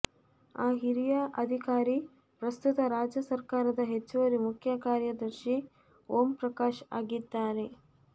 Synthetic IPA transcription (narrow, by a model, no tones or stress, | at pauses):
aːɦiɾijɐʔɐd̪ʱikaːɾi | pɾɐst̪ut̪ɐɾaːd͡ʒjɐsɐɾkaːɾɐd̪ɐɦet͡ʃːuʋɐɾimukʰjɐkaːɾjɐd̪ɐɾʃi | oːmpɾɐkaːʃa̰ːɡid̪ːaːɾe̞